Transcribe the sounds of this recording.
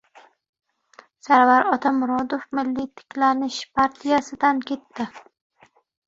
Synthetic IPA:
saɾvaɾɒt̪ʰamʊɾɒd̪ofmɪlːit̪ʰɪ̥kʲʰlanɪʃpʰaɾt̪ʰijasɪd̪ankʲʰe̞t̪ːɪ

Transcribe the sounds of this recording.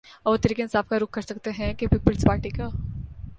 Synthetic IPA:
ɔboːt̪ɐɾiːkeɪnsaːfkaɾʊk̚ʰːɐɾsɐkt̪eɦɛ̃kepiːpəlspaːɾʈikaː

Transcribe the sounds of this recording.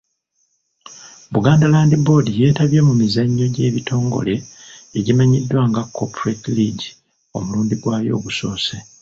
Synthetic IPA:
βuɡaːndalaːndibo̞ːdije̞ːtaβje̞mumizaɲːo̞ɟe̞ːβitʰo̞ːŋɡo̞̰le̞ːɟimaɲidːwaːŋɡakʰːopuɾetliɟi | o̞muluːndiɡwaːjo̞̰ːɡuso̞ːse

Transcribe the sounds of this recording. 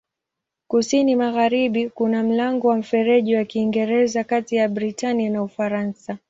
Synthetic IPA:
kusinimaɣaɾiɓikunam̩laŋɡɔwam̩fɛɾɛʄiwakiːŋɡɛɾɛzakatijaɓɾitaninaufaɾansa

